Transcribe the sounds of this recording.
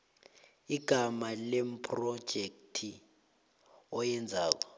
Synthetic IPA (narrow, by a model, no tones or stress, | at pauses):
iɡ̥ʱamalem̩pʰʼrɔd̥ʒ̥ʱek̚tʰi | ɔjɛnd͡zʱaːk̬ɔ̥